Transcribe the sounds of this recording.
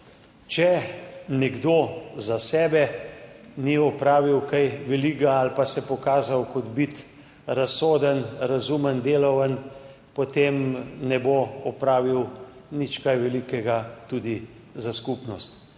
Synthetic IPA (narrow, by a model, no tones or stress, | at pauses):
t͡ʃɛnɛɡd̪ozasɛːbɛ | niɔpɾaːʋiwkajʋɛliɡaalpasɛpɔkaːzawkɔd̪bit̪ | ɾasoːd̪ənɾazumənd̪eːlɔwən | pot̪eːmnɛboɔpɾaːʋiwnit͡ʃkajʋɛlikɛɡat̪uːd̪i | zaskupnɔst̪